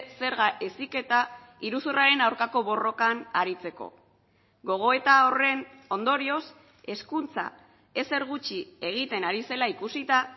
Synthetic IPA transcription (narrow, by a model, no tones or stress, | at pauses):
se̞ɾɣaʔe̞sike̞t̪a | iɾusuraɾe̞nawɾkako̞β̞o̞ro̞kanaɾit͡se̞ko̞̰ | ɡo̞ɣ̞o̞e̞t̪aore̞n | o̞nd̪o̞ɾio̞s | e̞skunt͡sa̰ | e̞se̞ɾɣ̞ut͡ʃie̞ɣ̞it̪e̞naɾise̞laikusit̪a